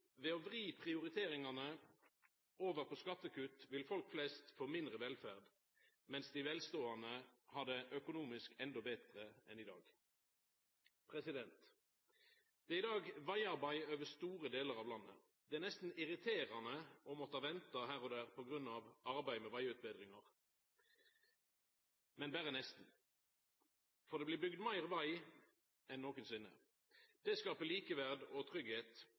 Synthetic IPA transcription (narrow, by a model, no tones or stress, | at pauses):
ʋɛɔʋʁiːpʰʁɪʊʁɪt̪ʰeːʁɪŋɑnə | oːʋəʁpʰɔskɑt̪ːəkʉt̪ʋɪlfɔlkflɛst̪foːmɪnd̪ʁəʋɛlfæʁd̪ | mɛnsd̪ɪʋɛlst̪oːɑnəhɑd̪ɛʔœkʊnuːmɪskɛnd̪ɔbɛt̪ʁəɛnɪd̪ɑ̰ːɡ | pʰʁɛsɪd̪ɛnt̪ | d̪̥ɛɪd̪ɑːɡʋɑɪɑʁbɑɪøːʋəst̪uːʁəd̪eːləʁɑːʋlɑnːə̰ | d̪̥ɛæʁnɛst̪n̩ɪʁɪt̪ʰeːʁɑnəʔɔmɔt̪ːəɑʋɛnt̪ɑɦæːʁɔd̪æːʁpʰɔɡʁʉnːɑʋɑʁbæɪmɛʋɑɪʉːt̪̚bɛːd̪ʁɪŋɑʁ | mɛnbæːʁənɛst̪n | fɔʁd̪ɛblɪːbʏɡd̪mæɪʁʋɑɪ | ɛnːoːkənsʏnːə̰ | d̪̥ɛskɑːpəliːkəʋæʁd̪ɔt̪ʰʁʏɡheːt̪